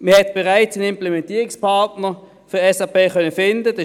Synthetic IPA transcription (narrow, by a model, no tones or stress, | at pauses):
məhɛtb̥ɛʁaɪt͡sənɪmplɛmɛntiːʁɪkspʰaʁtnəʁ | fɪɛsapeːχœnəfɪndəd̥ɑ